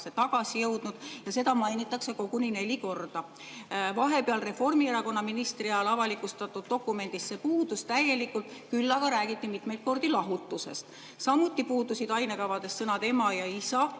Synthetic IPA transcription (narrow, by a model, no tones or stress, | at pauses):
set̪ɑɡ̥ɑsijɤwd̪̥nud̪̥jɑse̞d̪ɑmɑjnit̪ːˑɑkse̞ko̞ɡ̥unine̞lʲiko̞rd̪̥ɑ | vɑɦe̞peɑlre̞fo̞rmieɾɑko̞nːɑminist̪riɑlɑvɑlikust̪ɑt̪ːˑud̪̥ːo̞kːˑume̞nd̪̥ist̪se̞puːd̪̥ust̪æje̞likːˑult̪kylːɑɡ̥ɑɾæːɡ̥it̪ˑːimit̪me̞jt̪̚ko̞rd̪̥ilɑɦut̪ˑːuse̞̰st̪ | sɑmːˑut̪ːˑipuːd̪usid̪ɑjne̞kɑvɑd̪̥e̞ssɤnɑd̪e̞mɑjɑisɑ